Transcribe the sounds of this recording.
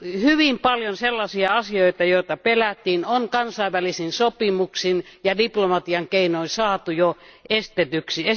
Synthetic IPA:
hyʋimpɑljonselːɑsiɑɑsioit̪ɑjoˑit̪ɑpelæt̪ːˑiːnoŋkɑnsɑiʋælisinsopimuksinjɑdiplomɑt̪iɑŋkeinoisɑːt̪ujo | est̪et̪yksie

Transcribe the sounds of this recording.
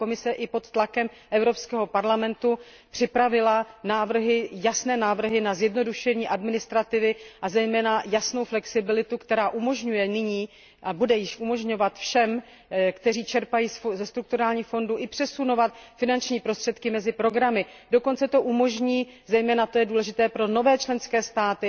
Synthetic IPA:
omɪsɛʔɪpo̞t̪ːlakɛm | ʔɛvɾo̞pskɛːɦo̞paɾlamɛnt̪u | pr̥ɪpɾavɪlanaːvr̩ɦɪjasnɛːnaːvr̩ɦɪnazjɛdno̞duʃɛɲiːʔadmɪnɪst̪ɾat̪ɪvɪʔazɛjmɛːnajasno̞wflɛksɪbɪlɪt̪ukt̪ɛɾaːʔumo̞ʒɲujɛnɪɲiː | ʔabudɛjɪʃʔumo̞ʒɲo̞vat̪fʃɛm | kt̪ɛriːt͡ʃɛɾpajiːszɛst̪ɾuk̚t̪uɾaːlɲiːxfo̞nduʔɪpr̥ɛsuno̞vat̪fɪnant͡ʃɲiːpɾost̪r̥ɛt̪kɪmɛzɪpɾo̞ɡɾamɪdo̞ko̞nt͡sɛt̪o̞ʔumo̞ʒɲiːzɛjmɛːnat̪o̞jɛduːlɛʒɪt̪ɛːpɾo̞no̞vɛːt͡ʃlɛnskɛːst̪aːt̪ɪ

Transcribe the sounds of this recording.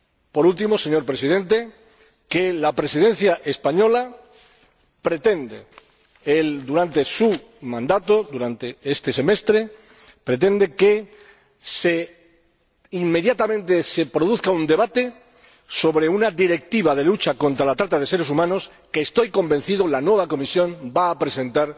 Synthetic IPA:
po̞ɾult̪imo̞se̞ɲo̞ɾpɾe̞siðẽ̞nt̪e̞ | ke̞lapɾe̞sið̞e̞n̟θjaʔe̞spaɲo̞la | pɾe̞t̪e̞nd̪e | eld̪uɾant̪e̞su | mãnd̪at̪o̞ðuɾant̪eest̪e̞se̞me̞st̪ɾe | pɾe̞t̪̬e̞nd̪e̞ke | se | imːe̞ðjat̪amẽ̞nt̪e̞se̞pɾo̞ðuθkaund̪e̞β̞at̪e̞ | so̞βɾe̞unaðiɾe̞k̚t̪iβað̞e̞lut͡ʃako̞nt̪ɾalat̪ɾat̪að̞e̞se̞ɾesumãno̞s | keːst̪o̞jko̞mbẽ̞n̟θiðolanwe̞β̞ako̞misjõ̞mbaːpɾesẽ̞nt̪aɾ

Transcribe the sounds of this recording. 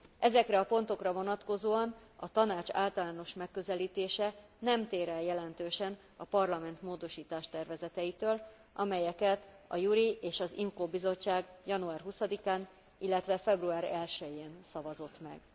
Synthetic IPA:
ʔɛzɛkrɛɒpo̞n̪t̪o̞krɒvo̞nɒt̪ko̞zoːɒnɒt̪ɒnaːt͡ʃa̰ːlt̪ɒlaːno̞ʃmɛkːø̞zɛliːt̪eːʃɛnɛmt̪eːɾɛljɛlɛnt̪øːʃɛn | ɒpɒrlɒmɛnt̪moːd̪o̞ʃiːt̪aːʃt̪ɛrvɛzɛt̪ɛit̪øːl | ʔɒmɛjɛkɛt̪ɒ̰juɾieːʃɒzḭmkoːbizo̞t͡ʃːaːɡjɒnuaːrɦusɒd̪ikaːn | ilːɛt̪ʋɛfɛbruaːɾɛlʃɛjeːnsɒvɒzo̞t̪mɛ̰ɡ

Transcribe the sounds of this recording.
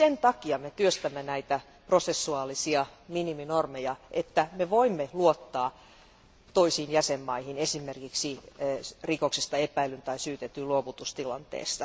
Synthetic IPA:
sent̪ɑkiɑmet̪yøst̪æmːenæit̪æ | prosesːuɑːlisiɑminiminormejɑʔet̪ːæmeʋoimːeluot̪ːɑː | t̪oisiːnjæsemːɑihine̞simerkiksi | rikoksest̪ɑepæilynt̪ɑisyːt̪et̪ːyluoʋut̪ust̪ilɑnt̪ḛːst̪ɑ

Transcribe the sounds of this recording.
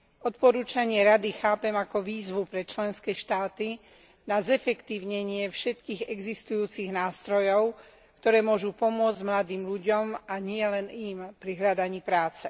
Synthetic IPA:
ɔt̪pɔɾuːt͡ʃaɲɪɛɾad̪ixaːpɛmakɔʋiːzʋupɾɛt͡ʃlɛnskɛːʃt̪aːt̪i | nazɛfɛkt̪iːʊɲɛɲɪɛfʃɛt̪kiːɣɛɡzist̪ujuːt͡siɣnaːst̪ɾɔjɔʊ | kt̪ɔɾɛːmʊɔʒupɔmʊɔd͡zɟmlad̪iːmʎuɟɔmaɲɪɛlɛnimpɾiɦʎad̪aɲiːpɾaːt͡sɛ

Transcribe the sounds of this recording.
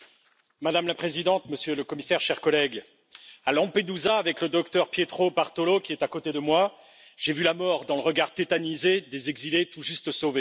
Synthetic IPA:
mad̪amlapχezid̪ɑ̃t̪məsjøləkɔmisɛʁʃɛʁkɔlɛɡ | alɑ̃ped̪uzaːvɛkləd̪ɔk̚t̪œʁpjet̪χobaʁt̪olokʲiɛt̪akot̪ed̪əmwa | ʒ̥evylamɔʁd̪ɑ̃ləʁəɡaʁt̪et̪anized̪ezɛɡzilet̪uʒyst̪əsove

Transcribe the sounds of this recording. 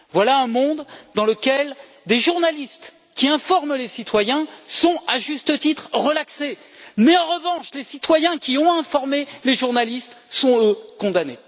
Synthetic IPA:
vwalaɛ̃mɔ̃d̪d̪ɑ̃ləkʲɛl | d̪eʒuʁnalist̪ | kʲiɛ̃fɔʁmlesit̪wajɛ̃sɔ̃aʒyst̪ət̪it̪χʁəlakse | mɛɑ̃ʁəvɑ̃ʃlesit̪wajɛ̃kʲiɔ̃ɛ̃fɔʁmeleʒuʁnalist̪sɔ̃økɔ̃d̪ane

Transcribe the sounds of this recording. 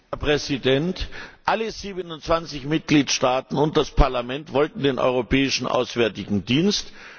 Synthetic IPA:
hɛɐpʁ̥ɛzidɛntʔaləziːbənʊntt͡sv̥ant͡sɪçmɪt̚ɡ̥liːtʃtaːtn̩ʊnt̚d̥aspʰaɐlamɛntv̥ɔltn̩deːnʔɔ̰ʏʁopʰɛːɪʃn̩ʔa̰ʊsv̥ɛɐtɪɡŋ̩diːnst

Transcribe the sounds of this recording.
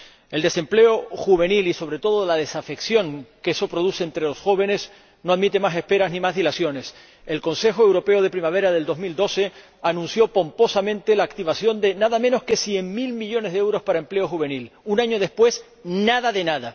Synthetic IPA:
e̞ld̪e̞se̞mple̞oxuβ̞e̞niliso̞β̞ɾe̞t̪o̞ðolað̞e̞safe̞ksjo̞ŋkeso̞pɾoð̞useːnt̪ɾe̞lo̞sxo̞β̞e̞ne̞s | no̞aðmit̪e̞mase̞hpe̞ɾaznĩmazðilasjo̞ne̞s | e̞lko̞nse̞xoe̞wɾo̞pe̞oð̞e̞pɾimaβ̞e̞ɾaðe̞ld̪o̞zmild̪o̞se̞ | anũnsjo̞po̞mpo̞samẽ̞nt̪e̞laːkt̪iβasjo̞nd̪e̞naðamẽno̞ske̞sje̞ŋmilmiʎo̞ne̞zðeewɾo̞spaɾae̞mple̞o̞xuβ̞e̞nilunaɲo̞ð̞e̞spwe̞s | naðaðe̞naða

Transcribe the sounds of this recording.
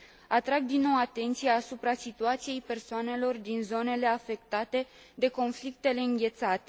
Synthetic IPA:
at̪ɾaɡ̚d̪inːo̞wat̪e̞nt̪sijaːsupɾasit̪uat̪sije̞jpe̞rsoane̞lo̞rd̪inzo̞ne̞le̞afe̞kt̪at̪e̞ | d̪e̞ko̞nflik̚t̪e̞le̞ɨŋɡʲe̞t̪sat̪e

